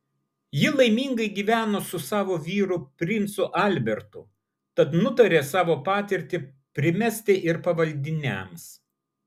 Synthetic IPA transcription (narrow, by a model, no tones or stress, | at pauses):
jɪlˠɐɪmʲiːŋɡɐɪɡʲiːʋʲæːnoːsʊsɑːʋoːʋʲiːɾʊpʲɾʲɪnt̪sʊʔɐlʲbʲɛɾt̪ʊ̰ | t̪ɐt̪nʊt̪ɐɾʲeːsɑːʋoːpɑːt̪ʲɪɾʲt̪ʲɪ | pʲɾʲɪmʲɛsʲt̪ʲeʔɪɾpɐʋɐlʲd̪ʲɪnʲɛ̰ms